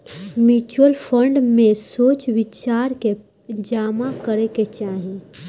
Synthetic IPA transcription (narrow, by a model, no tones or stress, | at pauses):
mjuːt͡ʃuəlpʰə̃ɳɖmẽsoːt͡ʃʋɪt͡ʃaːɾke | d͡ʒaːmakəɾeket͡ʃaːɦẽ